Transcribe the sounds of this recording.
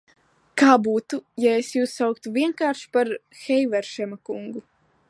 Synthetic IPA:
kaːbuːt̪ujaesjuːsːawkt̪uvʲiɛŋkaːɾʃi̥paɾxɛjvɛɾʃɛmakuŋɡu

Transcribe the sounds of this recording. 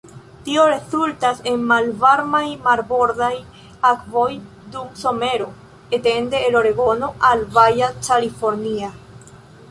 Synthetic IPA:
tio̞ɾe̞zultase̞nmalvaɾmajmaɾbo̞ɾdaj | akvo̞j | dumso̞me̞ɾo̞ | ete̞nde̞ːloɾe̞ɡo̞no̞ʔalvajat͡ʃalifo̞ɾnia

